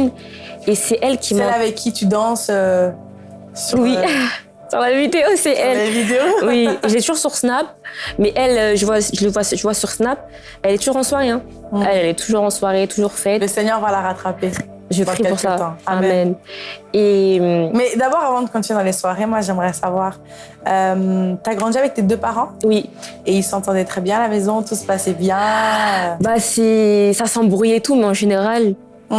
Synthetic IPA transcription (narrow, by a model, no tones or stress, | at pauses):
n | esɛʔɛlkʲʰiɛ̃lavɛkʰʲːit̪yd̪ɑ̃sø | sywi | syʁlavid̪eosɛʔɛlavid̪eowiʒəlɛt̪uʒuʁsyʁsnap̚ | mɛʔɛløʒəvwaʒələvwaʒəvwasyʁsnap̚ | ɛlɛt̪uʒuʁɑ̃swaʁeɛ̃ | ɛlɛlɛt̪ʰuʒuʁɑ̃swaʁet̪uʒuʁfɛt̪ləsɛɲœʁvalaʁat̪χape | ʒəpχippuʁsat̪ɑ̃ammɛnemmɛd̪abɔʁavɑ̃d̪əkɑ̃t̪yɛd̪ɑ̃leswaʁemwaʒɛmʁɛsavwaːʁ | ømt̪yaɡʁɑ̃d̪iavɛk̚t̪ed̪øpaʁɑ̃wi | eilsɑ̃t̪ɑ̃d̪ɛt̪χɛbjɛ̃alamɛzɔ̃t̪usə̥pasɛbjɛ̃ | basɛsasɑ̃bʁyjet̪umɛɑ̃ʒeneʁal